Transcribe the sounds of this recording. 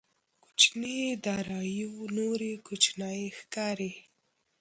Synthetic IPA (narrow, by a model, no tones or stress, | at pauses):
ku̥t͡ʃned̪ɑɾɑjinoɾekut͡ʃnajexkɑɾe